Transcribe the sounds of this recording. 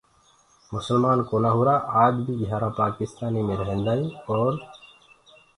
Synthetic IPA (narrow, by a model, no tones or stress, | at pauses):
mʊsəlmaːnkoːnaːɦuːɾaːʔaːd͡ʒbʱiːɡʱjaːɾaːpaːkɪst̪aːnimẽɾəɦẽːnd̪aːĩɔːɾ